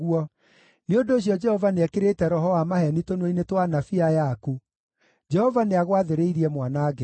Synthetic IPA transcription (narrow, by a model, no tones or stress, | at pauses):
ɣuɔ | neondoːɕ̬jɔd͡ʒɛhɔvaneɛkeɾetɛɾɔɦɔamahɛnitonwoinetwanafiajaku | d͡ʒɛhɔvaneaɣwaðeɾeiɾiɛmwanaːɡe